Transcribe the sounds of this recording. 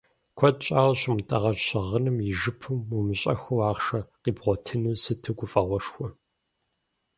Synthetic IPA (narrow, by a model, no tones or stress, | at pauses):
kʷʰɔtt͡ʃʼaːwɕʊmtʼɐʁɐɕɐʁənɨmjɪʒɨpʰɨmumɨɕʼɐ̰xʷɐwaːʁʂɐqiːbʁʷɔtʰɨnuːsɨtʰɨɡʷʊfʼɐʁʷɔʂxʷɔ